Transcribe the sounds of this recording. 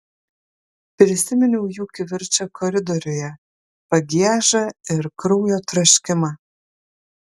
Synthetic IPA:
pʲɾʲɪsʲɪmʲɪnʲɛʊjuːkʲɪʋʲɪɾʲt͡ʃʲɐkʰɔɾʲɪd̪ɔɾʲʊjɛ | pɐɡʲiɛʒɐɪɾkɾuʊjoːt̪ɾɐʃʲkʲɪmɑː

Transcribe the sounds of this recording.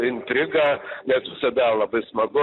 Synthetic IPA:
ɪnʲt̪ʲɾʲɪɡɐnʲɛsʋʲɪsɐd̪ɐlˠɐbɐɪsmɐɡʊ

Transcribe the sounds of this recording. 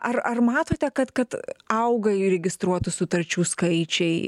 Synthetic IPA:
ɐrɐrmɑːt̪oːt̪ʲɛkɐt̪kɐt̪ɐʊɡɐɾʲɛɡʲɪst̪ɾuɔt̪ʊsʊt̪ɐɾʲt͡ʃʲuːskɐɪt͡ʃʲɛɪ

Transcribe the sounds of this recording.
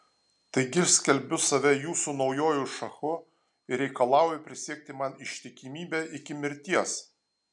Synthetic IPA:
t̪ɐɪɡʲɪʃsʲkʲɛlʲbʲʊsɐʋʲɛjuːsuːnɒʊjoːjuʃɐxʊ | ɪɾʲɛɪkɐlˠɑˑʊjʊpʲɾʲɪsʲiɛk̚t̪ʲɪmɐnɪʃʲt̪ʲɪkʲɪmʲiːbʲɛʔɪkʲɪmʲɪɾʲt̪ʲiɛs

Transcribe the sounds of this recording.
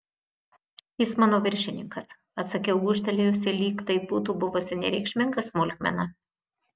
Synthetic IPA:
jɪsmɑːnoːʋʲɪɾʲʃʲɪnʲɪŋkɐs | ɐt̪sɐkʲɛʊɡuʃʲt̪ɐlʲejʊsʲɪlʲiːkt̪ɐɪbut̪uːbʊʋʊsʲɪnʲɛ̰ɾʲɛ̰ɪkʃʲmʲɪŋɡɐsmʊlʲxmʲɛ̰nɐ

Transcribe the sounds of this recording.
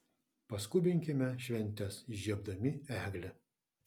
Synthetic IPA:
pɐskʊbʲɪŋʲkʲɪmʲɛʃʲʋʲɛnʲt̪ʲɛsʒʲiɛb̚d̪ɐmʲɪæːɡlʲɛ

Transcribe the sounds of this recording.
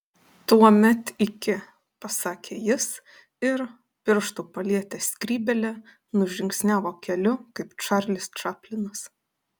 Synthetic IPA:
t̪uɔmʲɛt̪ɪkʲɪ | pɐsɑːkʲʰeːjɪs | ɪɾ | pʲɪɾʃt̪uːpɐlʲiɛt̪ʲɛsʲkʲɾʲiːbʲɛlʲɛ | nʊʒʲɪŋʲksʲnʲæːʋoːkʲɛlʲʊkɐɪpt͡ʃɑɾlʲɪst͡ʃʲæːpʲlʲɪnɐs

